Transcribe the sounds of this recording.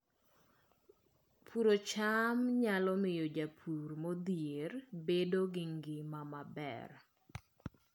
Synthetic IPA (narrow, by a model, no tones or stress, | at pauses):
pʰuɾot͡ʃamɲalɔmɪjɔd͡ʒapʰuɾmod̪ijerbedoɡɪŋɡɪmamabɛ̰r